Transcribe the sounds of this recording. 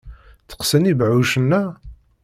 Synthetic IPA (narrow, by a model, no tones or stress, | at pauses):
t͡sə̥qsənibʕuʃənːæ